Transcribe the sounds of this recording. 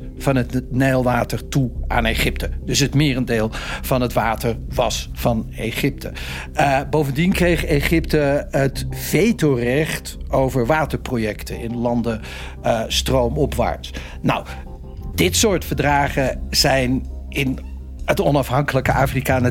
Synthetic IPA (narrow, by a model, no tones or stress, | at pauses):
v̥ɑnətneːlˠʋaːtəɹtua̰ːnejχɪp̚tədɵsətmɪːrəndeːlˠv̥ɑnɦətʋaːtəɹʋɑsfɑnḛχɪp̚tʰə̰ | bowvəndinkrejχeχɪptəətfejtowrɛχtowvəɹʋaːtəɹprojɛktənɪnlɑndə | strowmɔpʋa̰ːɹt | na̰w | d̥ɪtsʊːɹtfəɹdraːχəz̥ɛjn | ɪn | ətɔnɑfɦɑŋkələkəʔaːfrikaːnə